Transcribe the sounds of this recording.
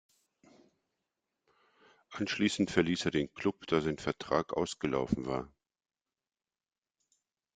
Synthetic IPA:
ʔanʃliːsn̩tfɛɐliːseːɐdeːnkʰl̥ʊpd̥aːzaɪnfɛɐtʁ̥aːkʔa̰ʊsɡ̥əla̰ʊfn̩va̰ːɐ

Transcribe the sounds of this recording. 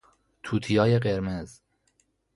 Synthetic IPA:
t̪ʰuːt̪ʰijɒːjeɢeɾmez

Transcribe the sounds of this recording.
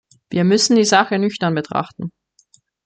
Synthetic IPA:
vḭːɐmʏsn̩diːzaχənʏçtɐnbətʁ̥a̰χtn̩

